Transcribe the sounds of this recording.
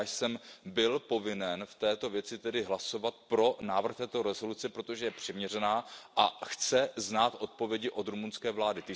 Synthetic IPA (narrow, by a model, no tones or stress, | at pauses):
jsɛmbɪlpo̞vɪnɛnft̪ɛːt̪o̞vjɛt͡sɪt̪ɛdɪɦlaso̞vat̪̚pɾo̞naːvr̩xt̪ɛːt̪o̞ɾɛzo̞lut͡sɛpɾo̞t̪o̞ʒɛjɛpr̥ɪmɲɛrɛnaːʔaxt͡sɛznaːt̪ʔo̞t̪̚po̞vjɛɟɪʔo̞d̪ɾumunskɛːvlaːdɪt̪ɪ